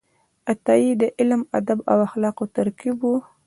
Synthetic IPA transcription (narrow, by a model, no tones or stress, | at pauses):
at̪ɑjid̪əʔɪlma̰d̪aba̰waxlɑqot̪aɾkibu